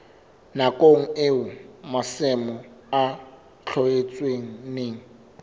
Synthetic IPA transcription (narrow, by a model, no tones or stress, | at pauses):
nakʼoŋ̩eʊmasɛmɔa | t͡ɬʰɔet͡sʼweŋ̩neːŋ̩